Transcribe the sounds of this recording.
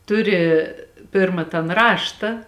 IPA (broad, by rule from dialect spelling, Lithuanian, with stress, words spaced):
ˈtʊˌrʲɪ ˈpʲɪrmɐ tɐn ˈrɑːʃtɐ